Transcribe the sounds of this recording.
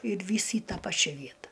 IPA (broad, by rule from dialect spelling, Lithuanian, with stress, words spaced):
ɪr ˈʋʲiːs iː ˈtɑː ˈpɑːt͡ʃʲɛ ˈʋʲiɛtɐ